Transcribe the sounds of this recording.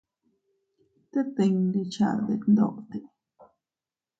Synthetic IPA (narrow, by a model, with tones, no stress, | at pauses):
t̪e˦t̪e˨˧ŋli˧t͡ʃa̰˧˨d̪e˨˧knd̪o̰˦˨ʔt̪e˨